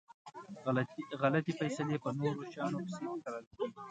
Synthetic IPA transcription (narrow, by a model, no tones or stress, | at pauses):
ɣalat̪ifajsalepənoɾoʃɑnokɪ̥sekaɾəlkeɡi